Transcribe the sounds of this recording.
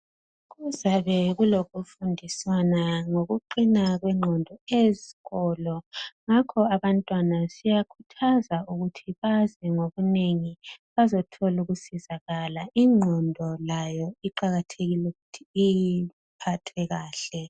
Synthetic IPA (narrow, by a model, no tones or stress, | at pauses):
ɣuzaβɛɣuloɣufundʱiswanaŋoɣuǃinaɣwɛŋ͡ǃʱɔndʱɔeziɣɔːlɔŋakʰɔaβantʼwanasijakʰutʰazauɣutʰiβazɛŋoɣuneŋiβazɔtʰɔluɣusizaɣalaiŋ͡ǃʱɔndʱɔlajɔiǃaɣatʰeɣilɛɣutʰiː | pʰatʰɛɣaːɬɛ